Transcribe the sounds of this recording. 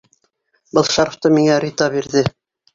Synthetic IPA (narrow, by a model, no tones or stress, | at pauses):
bɤlˠʃɑɾft̪ɤmiŋæɾʲit̪ɑbiɾðɘ